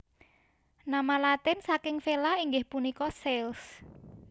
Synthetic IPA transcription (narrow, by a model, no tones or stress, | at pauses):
namalat̪ɪnsakɪŋfelaiŋɡɪhpunikɔsɛls